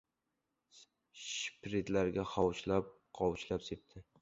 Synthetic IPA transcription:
ʃpɾet̪laɾɡʲaχɒwʃlap̚ | qʰɒwʃlapsep̚t̪ʰɪ

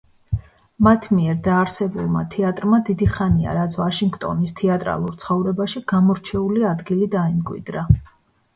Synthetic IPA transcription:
mat̪ʰmiɛɾd̪aːɾsɛbulˠma̰t̪ʰɛat̪ʼɾmad̪id̪iχania̰ɾat̪sʰvaʃiŋɡt̪ʼɔ̰nist̪ʰɛat̪ʼɾa̰lˠuɾt̪sʰχɔvɾɛbaʃiɡ̥amɔɾt͡ʃʰɛuliad̪ɡilid̪aimkʼwḭd̪ɾa

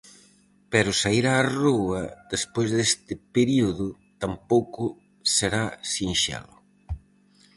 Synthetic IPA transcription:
pɛɾʊsaiɾaːruɐðespojzðest̪ɪpeɾiuðʊ | t̪ampowkʊ | seɾasinʃɛ̰lʊ

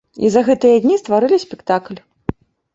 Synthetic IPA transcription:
ḭzɐɣɛt̪ɨjɐd̪ʲnʲist̪vaɾɨlʲisʲpʲɛkt̪aklʲ

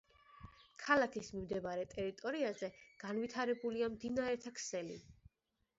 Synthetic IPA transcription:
kʰalakʰismimd̪ɛvaɾɛt̪ʼɛɾit̪ʼɔɾiazɛɡ̥anvit̪ʰaɾɛbuliamd̪inaɾɛt̪ʰakʰsɛlḭ

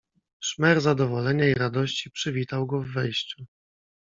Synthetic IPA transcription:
ʂmɛɾzad̪ɔvɔlɛɲaiɾad̪ɔɕt͡ɕipʂɘvʲit̪awɡɔvːɛjɕt͡ɕu

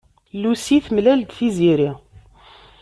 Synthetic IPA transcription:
lusiθmlæld̪θiziɾi

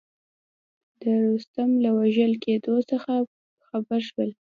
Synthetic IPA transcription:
d̪̥əɾust̪amlawaʒəlked̪osəxa | xabəɾʃwəl

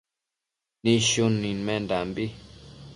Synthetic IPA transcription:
nĩʃunːĩnmɛ̃ndambi

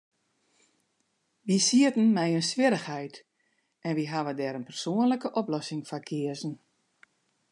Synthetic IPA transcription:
ʋisiətən̩mɛjənsʋɪɾəxhɛjt | ɛnʋiɦaʋədɛːɾənpɛrsoənləkəʔɔplɔsɪŋfakʰɪəzən̩

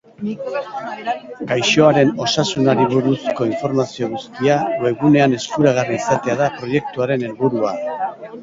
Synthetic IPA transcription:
ɡajʃo̞aɾe̞no̞sasunaɾiβ̞uɾusko̞iɱfo̞ɾmasio̞ɣ̞ust̪iaweɣune̞ane̞skuɾaɣ̞ariːsat̪e̞aðapɾo̞je̞k̚t̪uaɾe̞ne̞lβuɾua

